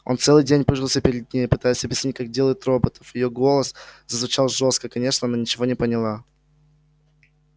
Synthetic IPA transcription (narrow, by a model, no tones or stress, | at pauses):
o̞nt̪sɛlˠɨjdʲenʲpɨʐɨlˠsʲəpʲɪɾʲɪd̪̚nʲejɪpɨt̪ajɪsʲɐbʲjɪsʲnʲit̚ʲkak̚dʲelˠəjɪt̪ɾo̞bət̪ə̥fjɪjoɡo̞lˠəszəzvʊt͡ɕalˠʐo̞st̪kəkɐnʲeʂnəɐnanʲɪt͡ɕɪvo̞nʲɪpənʲɪlˠa